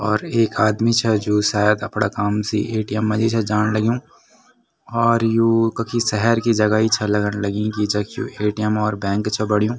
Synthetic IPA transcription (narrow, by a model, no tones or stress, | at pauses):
ɔːɾeːkaːd̪mit͡ʃʰɐd͡ʒuːsaːjəd̪ɐpɽakaːmsḭʔeːʈijəmːɐ̃d͡ʒit͡ʃʰɐd͡ʒaːnlɐɡjũː | ɔːɾjũːkɐkʰisɛɦɛɾkid͡ʒɐɡait͡ʃʰɐlɐɡənlɐɡĩkid͡ʒɐkʰjṵʔeːʈijəmɔːɾbɛ̃ːŋkt͡ʃʰɐbɐɽijũː